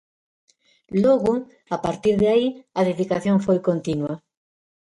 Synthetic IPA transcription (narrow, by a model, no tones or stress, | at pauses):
lɔɣʊ | apaɾt̪iɾðaiaðeðikaθjoŋfojkont̪inwa